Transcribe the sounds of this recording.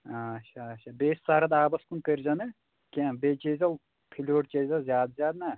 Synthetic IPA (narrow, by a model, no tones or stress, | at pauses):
aːʃaʃabeːsʲsaɾɐd̪aːbɐskunpeɾd͡ʒɐnɨ | kʲenbeːt͡ʃezʲɐl | pʰilʲoɾt͡ʃezɐlzʲaːd̪zʲjaːd̪nɐ